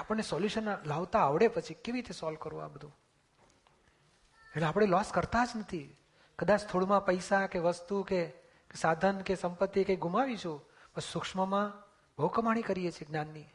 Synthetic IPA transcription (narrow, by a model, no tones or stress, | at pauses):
apəɳnesɔljuʃənlaʋt̪aːʋɽepət͡ʃʰikeʋiɾit̪esɔlkəɾũa̰bəd̪ʱũ | eʈleapɽ̃elɔskəɾt̪ad͡ʒnət̪ʰi | kəd̪at͡ʃt̪ʰoɭmãpəjsakeʋəst̪uke | sad̪ʱənkesəmpət̪ːikajɡʱumaʋit͡ʃʰũ | pəsukʂməmã | bʱəwkəmaɽ̃ikəɾiet͡ʃʰeɡnanːi